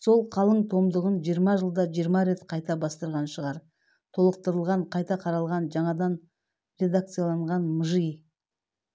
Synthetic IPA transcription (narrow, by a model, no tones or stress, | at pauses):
so̞lˠqʰɑlˠəɴt̪ʰo̞md̪əʁənʒijəɾmɑʒəlˠd̪ɑʒijəɾmɑɾe̞t̪qʰɑjt̪ɑbɑst̪əɾʁɑnʃəʁɑɾ | t̪ʰo̞lˠəq̚t̪əɾəlˠʁɑɴqʰɑjt̪ɑqʰɑɾɑlˠʁɑnʒɑɴɑd̪ɑn | ɾe̞d̪ak̚t̪sɨjalˠɑɴʁɑnməʒij